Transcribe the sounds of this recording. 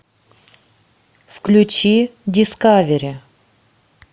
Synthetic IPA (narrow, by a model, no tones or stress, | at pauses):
fklʲʉt͡ɕidʲɪskavʲeɾʲɪ